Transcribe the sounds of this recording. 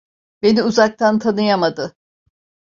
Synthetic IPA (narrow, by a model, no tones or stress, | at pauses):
be̞niuzak̚t̪ʰant̪ʰanɯjamad̪ɯ